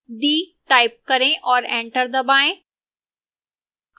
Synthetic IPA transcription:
d̪iːʈaːɪp̚kɐɾẽʔɔːɾẽːɳʈəɾd̪ɐbaːẽ

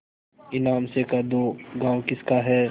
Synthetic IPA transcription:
ɪnaːmsekad̪oːɡãːwkɪskaɦɛː

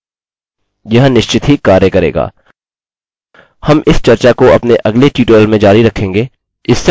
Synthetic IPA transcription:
jɐɦnɪʃt͡ʃɪt̪ɦikaːɾjəkɐɾḛːɡa̰ː | hɐmʔɪst͡ʃɐɾt͡ʃakoɐ̰pneʔɐɡleʈiːʈeːlmẽd͡ʒaːɾiɾɐkʰẽːŋɡeː | ɪsːe

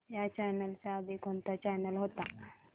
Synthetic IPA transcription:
jat͡ɕanəlsaːd̪ikont̪at͡ɕanəlɦot̪a

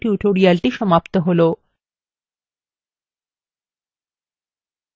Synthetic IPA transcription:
ʈjuʈʰoɾijalʈiʃɔmapt̪əɦolo

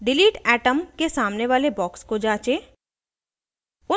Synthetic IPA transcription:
ɖɪliːʈɛːʈəmkesaːmneʋaːlebɔːkskod͡ʒaːt͡ʃeː | ʊ

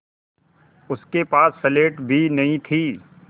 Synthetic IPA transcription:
ʊskepaːsːɛleːʈbʱinɐɦĩt̪ʰiː

